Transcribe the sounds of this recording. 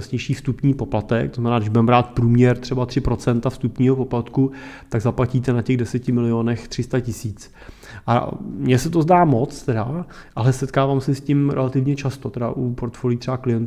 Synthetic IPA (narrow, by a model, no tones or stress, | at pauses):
asɲɛjʃiːfst̪upɲiːpo̞plat̪ɛk̚t̪oznamɛnaːɡdɪʒbudɛmbɾaːt̪̚pɾuːmɲɛɾt̪r̥ɛbat̪r̥ɪpɾo̞tt͡sɛnt̪afst̪upɲiːɦopo̞plat̪kut̪aɡzaplaciːt̪ɛnacɛɣdɛsɛcɪmɪlɪoːnɛxt̪r̝̥ɪst̪acɪsiːt͡s | ʔa̰mɲɛsɛt̪o̞zdaːmo̞t͡st̪ɛdaʔalɛsɛt̪kaːvaːmsɛscimɾɛ̰lat̪ɪvɲɛt͡ʃast̪o̞t̪ɛda̰ʔupo̞ɾt̪foːliːt̪r̥ɛbaklɪjɛnt̪